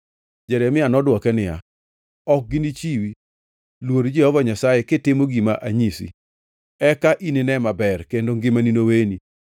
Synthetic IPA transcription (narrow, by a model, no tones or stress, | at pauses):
d͡ʒɛɾɛmɪanɔdwɔkɛnɪja̰ | ɔk̚ɡɪnit͡ʃiwi | lwoɾd͡ʒiɔvɔɲasajɛkɪtɪmoɡimaʔaɲisḭ | ɛkaʔinɪnɛmabɛrkendoŋɡɪmaninoweni